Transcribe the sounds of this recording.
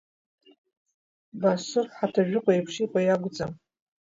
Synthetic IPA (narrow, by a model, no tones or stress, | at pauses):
basɨrħatʰaʒᶣʊqʷʼajpʰʂikʷʼajaɡʷʊt͡sʼam